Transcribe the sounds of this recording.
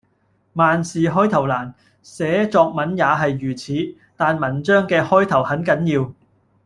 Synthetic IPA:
maː˨nsiː˨ɦɔː˥jt̪ʰɐ˨˩wlaː˨˩n | sɛː˨˥t͡sɔː˧k̚mɐ˨˥njaː˨˧ɦɐ˨jːyː˨˩t͡sʰiː˨˥ | t̪aː˨nmɐ˨˩nt͡ʃœː˥ŋkɛː˧hɔː˥jt̪ʰɐ˨˩whɐ˨˥nkɐ˨˥njiː˧w

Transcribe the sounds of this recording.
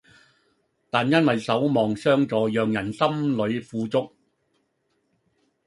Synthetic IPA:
t̪aː˨njɐ˥nwɐ˨jsɐ˨˥wmɔː˨ŋsœː˥ŋt͡sɔː˨jœː˨ŋjɐ˨˩nsɐ˥mlɵ˨˧ɥfuː˨˧t͡sʊ˥k̚

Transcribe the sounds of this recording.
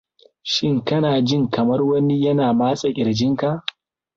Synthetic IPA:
ʃɪ˦ŋkɐ˦naː˨d͡ʒɪ˦ŋkɐ˨mɐ˦rwɐ˦ni˦jɐ˦naː˨maː˦sʼa˨ʔɪ˨ɾd͡ʒɪ˦ŋka˨ʔ

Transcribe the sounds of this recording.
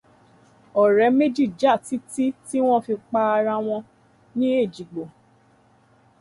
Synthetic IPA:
ɔ˨ɾɛ˨˦me˦d͡ʒi˦˨d͡ʒa˦˨ti˦ti˦ti˦w̃ɔ̃˦fi˧k͡pa˧a˧ɾã˧w̃ɔ̃˧ | nĩ˦e˦˨d͡ʒi˨ɡ͡bo˨

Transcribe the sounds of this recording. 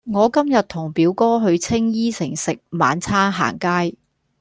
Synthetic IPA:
ŋɔː˨˧kɐ˥mjɐ˨t̚t̪ʰʊ˨˩ŋpiː˨˧˥wkɔː˥ɦɵ˧ɥt͡sʰɪ˥ŋjiː˥sɪ˨˩ŋsɪ˨k̚maː˨˧nt͡sʰaː˥ɦa̰ː˨˩ŋkaː˥j

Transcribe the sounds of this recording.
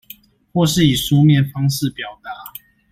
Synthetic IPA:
xwɔ˥˧ʂɻ̩˥˨i˨˩ʂu˦mjɛ˥˨nfɑ˥ŋʂɻ̩˥˨pjɑ˨˩ʊt̪a˨˦

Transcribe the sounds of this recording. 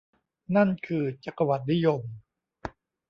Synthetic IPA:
na˥˩nkʰɯː˧t͡ɕa˨˩ka˧wa˨˩t̪̚ni˦˥jo˧m

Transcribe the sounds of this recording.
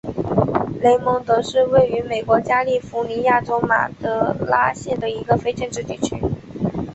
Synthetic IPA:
le˧˥ɪmɤ˧˥ŋt̪ɤ˧˥ʂɻ̩˥˧we˥˩ɪy˧˥me˨˩ɪkwɔ˧˥t͡ɕja˥li˥˩fu˧˥ni˧˥ja˥˩ʈ͡ʂo˥ʊma̰˨˩t̪ɤ˧˥la˥ɕjɛ˥˩nd̪ə˩i˧˥ɡə˧fe˥ɪʈ͡ʂə˥˧ŋʈ͡ʂɻ̩˥˧t̪i˥˩t͡ɕʰy˥

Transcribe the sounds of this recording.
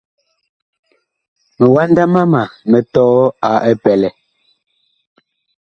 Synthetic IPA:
mɛ˨wa˦nda˦ma˦ma˨mɛ˨tɔː˦a˨ʔɛ˦pɛ˨lɛ˨

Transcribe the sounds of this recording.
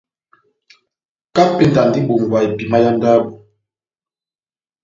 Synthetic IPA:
ka˦pe˨n˨da˨n˨di˦bo˨ŋ˨ɡwa˨i˨pi˨ma˦ja˦n˦da˦bo˨

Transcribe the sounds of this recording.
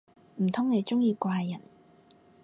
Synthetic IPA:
m̩˨˩t̪ʰʊ˥ŋne˨˧jt͡ʃʊ˥ŋjiː˧kʷaː˧jjɐ˨˩n

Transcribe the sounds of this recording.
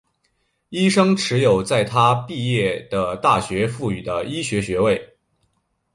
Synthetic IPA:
i˥ʂɤ˥ŋʈ͡ʂʰɻ̩˧˥jo˨˩ʊt͡sa˥˩ɪt̪ʰa˥pi˥˧jɛ˥˩d̪̥ə˩t̪a˥˩ɕɥɛ˧˥fu˥˩y˨˩d̪ə˦ʔi˥ɕɥɛ˧˥ɕɥɛ˧˥we˥˩ɪ

